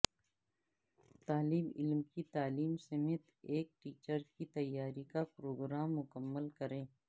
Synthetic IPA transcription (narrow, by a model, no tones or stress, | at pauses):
t̪aːliːmɪlmkit̪aːliːmsɐmeːt̪eːk̚ʈiːt͡ʃəɾkit̪ɐjːaːɾikapɾoːɡɾaːmːʊkəmːəlkɐɾẽː